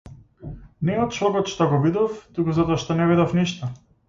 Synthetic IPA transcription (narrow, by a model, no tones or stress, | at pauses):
nɛɔt̪̚t͡ʃɔɡɔt̪ʃt̪ɔɡɔbid̪ɔft̪ukuzat̪ɔaʃt̪ɔnɛvid̪ɔfniʃt̪ɔ